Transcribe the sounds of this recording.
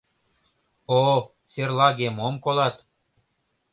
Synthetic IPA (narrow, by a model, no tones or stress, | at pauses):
o | serlɑɣemomkolɑt̪